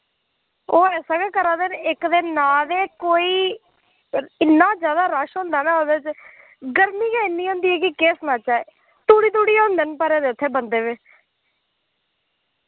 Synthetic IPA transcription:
oːɛːsãːɡɛːkəɾãːd̪enɪkd̪eːnaːd̪eːkoːiː | ɪnːãːzjaːd̪aːɾəʃɦõːnd̪aːnaːoːd̪eːt͡ʃ | ɡəɾmiːkɛːɪnːiːõːnd̪iːɛːkɪkeːsnãːt͡ʃaːeː | t̪uːɽiːt̪̬uːɽiːõːnd̪eːnpaːɾẽːd̪eːʊt̪ʰːeːbənd̪eːʋẽː

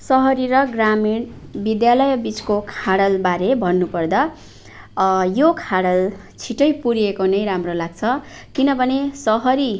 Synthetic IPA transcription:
sʌɦʌɾiɾʌɡramiɽ | bid̪jalʌjbit͡skokʰaɽʌlbaɾebʱʌnːupʌrd̪a | jokʰaɽʌl | t͡sʰiʈʌjpuɾijekonʌjɾamrolaɡ̚t͡sʰʌ | kinʌbʱʌnesʌɦʌɾi

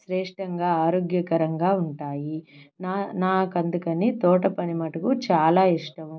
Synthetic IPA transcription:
ʃɾɛːʂʈʰɐŋɡaːaːɾoːɡjɐkɐɾɐŋɡaːuɳʈaːjinanaːkɐnd̪ukɐnit̪ɔːʈɐpɐnimɐʈɐkut͡ʃaːlaːiʂʈɐm

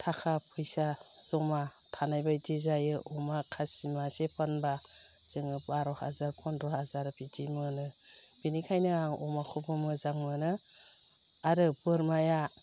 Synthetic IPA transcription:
tʰakʰapʰɯjsa | z̥ɔmatʰanajbajdizajɯʔɔmakʰasimasepʰanba | z̥ɯŋɯbaɾɔha̰zaɾpʰɔndɾɔhazaɾbitimɯnɯ | b̥inikʰajnɯaŋɔ̰makʰubɯmɯzaŋmɯnɯ | aɾɯbɯɾmaja

